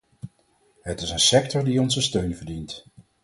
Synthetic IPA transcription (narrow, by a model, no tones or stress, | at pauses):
ɦətɪsənsɛktɔɹdiɔnzəstøɥnvəɹdint